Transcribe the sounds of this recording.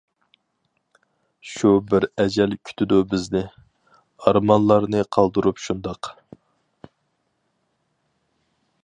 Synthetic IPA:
ʃubɪɾɛd͡ʒɛlkʲʰy̥t̪ʰɪd̪ubɪznɪ | ɑɾmɑnlˠɑɾnɨqʰɑlˠd̪uɾupʃund̪ɑq

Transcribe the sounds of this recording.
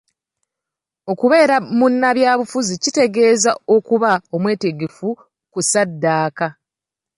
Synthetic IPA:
o̞kuβe̞ːɾamunːaβjaːβufuzicite̞ɡe̞ːzao̞kuβao̞mwe̞ːte̞ɡe̞fu | kusadːaːka

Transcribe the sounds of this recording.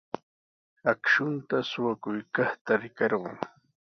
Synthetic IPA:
akʃʊnt̪asʊwakʊjkɑχt̪aɾɪkɑɾɢɑ̰ŋ

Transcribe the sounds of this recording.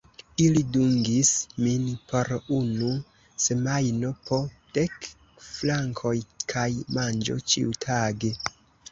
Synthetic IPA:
iliduŋɡisminpʰo̞ɾunu | se̞majno̞po̞ | d̥ek | flaŋkʰo̞jkʰajmand͡ʒo̞̰t͡ʃḭutʰaɡe

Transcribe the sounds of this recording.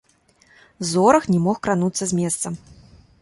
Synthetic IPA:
zɔɾɐxnʲɛmɔxkɾanut̪sːɐzʲmʲɛst̪sɐm

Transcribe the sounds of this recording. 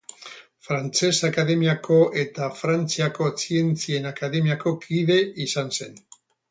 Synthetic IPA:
fɾant͡se̞sakaðe̞miako̞ʔe̞t̪afɾant͡siako̞sie̞nt͡sie̞nakaðe̞miako̞kið̞e̞ʔisanse̞n

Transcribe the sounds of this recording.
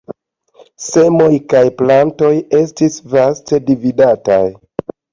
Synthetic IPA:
se̞mo̞jkajplanto̞je̞stisvaste̞dividata̰j

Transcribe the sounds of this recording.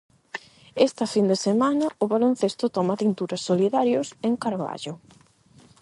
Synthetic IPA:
est̪ɐfind̪esemanɐʊβalon̟θest̪ʊt̪ɔmɐt̪int̪uɾɐsːoliðaɾjoseŋkaɾβa̰ʎʊ

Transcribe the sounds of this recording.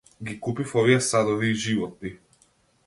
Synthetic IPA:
ɡikupifɔviɛsad̪ɔviːʒivɔt̪̚ni

